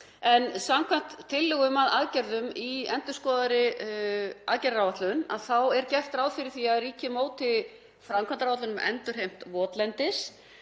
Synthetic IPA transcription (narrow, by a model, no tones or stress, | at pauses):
ɛnsamkʰan̥t̪ʰːɪlːʏɣʏmaðaðcɛɾðʏmiɛnt̪ʏ̥skɔːðaɾɪ | aðcɛɾawvat̪lʏna̰ðθawɛɾcɛft̪ɾawðfɪɾɪɾ̥θiaðriːcɪmoːwt̪ɪ | fɾamkʰvant̪ɾawat̪lʏnʏmʔɛ̰nt̪ʏɾ̥ɦejm̥t̪vɔːt̪lɛnt̪ɪs